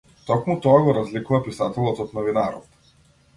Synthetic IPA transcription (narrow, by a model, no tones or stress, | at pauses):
t̪ɔkmut̪ɔaɡɔɾazlikuvapisat̪ɛlˠɔt̪ɔt̪nɔvinaɾɔ̰t̪